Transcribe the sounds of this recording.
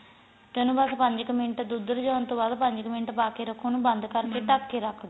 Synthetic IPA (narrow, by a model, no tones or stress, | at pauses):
t̪ɛ̃ːnũːbəspəɲd͡ʒkəmɪ̃ɳʈːd̪ʊd̪əɾd͡ʒaːnt̪õːbaːd̪pəɲd͡ʒkəmeɳʈːpaːkeːɾəkʰːoːnũːbənd̪kəɾkeːʈəkːeːɾəkʰd̪o